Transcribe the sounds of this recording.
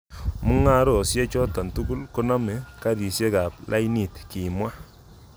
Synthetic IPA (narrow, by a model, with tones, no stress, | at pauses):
mu˦ŋa˦ɾɔ˨sje˦t͡ʃɔ˦ta˨ntu˦ɡu˦lko˦na˦mɛ˨˦ka˦ti˨sje˦ka˨plʔa˦jni˨tki˨mwa˦